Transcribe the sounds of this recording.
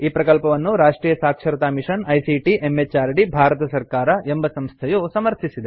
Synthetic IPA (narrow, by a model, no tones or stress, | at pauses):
iːpɾɐkɐlpɐʋɐnːuɾaːʂʈɾiːjɐsaːkʂɐɾɐt̪aːmiʂɐnɐjsiʈiʔemːet͡ʃaːɾɖibʱaːɾɐt̪ɐsɐɾkaːɾɐembɐsɐmst̪ʰɐjusɐmɐɾt̪ʰisid̪e